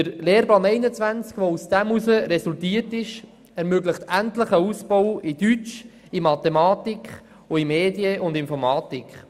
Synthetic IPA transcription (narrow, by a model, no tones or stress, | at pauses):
əɾleːɾbɑːnɛɪnət͡sʋænt͡skʋousd̥æmusəɾɛsultiːəɾtɪʃ | ɛɾmøɡləχtæntləχəuspɔwidyt͡ʃ | imɑt̪ɛmɑːtikχ | ʊimeːdiəʔʊndɪnfɔɾmɑːtikχ